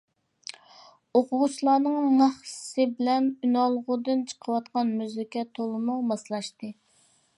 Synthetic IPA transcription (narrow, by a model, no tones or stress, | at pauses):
oqʰʊʁʊt͡ʃʰilˠɑːnɨŋmɑχsɨbɪlɛnynɑlˠʁʊd̪ɨnt͡ʃʰə̥qʰəwɑt̪̚qɑnmyzɪkʲɛt̪ʰolˠɨmʊmɑslˠɑʃt̪ɨ